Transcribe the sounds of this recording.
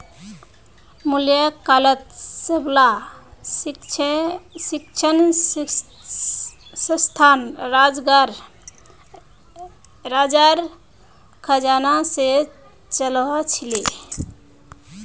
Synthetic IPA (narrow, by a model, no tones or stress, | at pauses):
muljakalət̪səbla | sikt͡ʃʰən | sə̃st̪ʰanɾad͡ʒɡaɾ | ɾad͡ʒaɾ | kʰəd͡ʒanase | t͡ʃəlɔt͡ʃʰili